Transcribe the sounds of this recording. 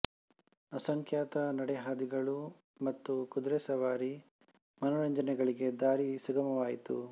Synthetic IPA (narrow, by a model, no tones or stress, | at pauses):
ɐsɐŋkjaːt̪ɐnɐɽɛɦaːd̪iɡɐɭu | mɐt̪ːukud̪ɾesɐʋaːɾi | mɐnɔɾɐɲd͡ʒɐnɛɡɐɭiɡe̞d̪aːɾisuɡɐmɐʋaːjit̪ṵ